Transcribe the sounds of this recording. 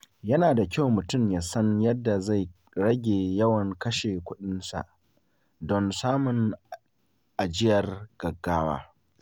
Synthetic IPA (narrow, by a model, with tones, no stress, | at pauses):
jɐ˦naː˨da˨kʲa˦wmʊ˨tʊ˦˨mjaː˨sɐ˦njɐ˦dːa˨za˦˨j | ɽɐ˦ɡʲeː˨jɐ˦wɐ˨ŋkɐ˦ʃeː˨kʷʊ˦ɗɪ˦nsa̰˨ʔ | dɔ˦nsaː˦mʊ˨ŋ | ʔa˨d͡ʒɪ˦jɐ˨rɡ̥ɐ˨ɡːaː˦wa̰ː˦